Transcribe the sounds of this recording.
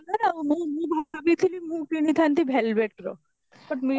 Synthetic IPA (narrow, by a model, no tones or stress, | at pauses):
nanamũmũbʱakabit̪ʰilimũkinit̪ʰant̪ibʱɛlbeʈɾo̰ | bɐʈmi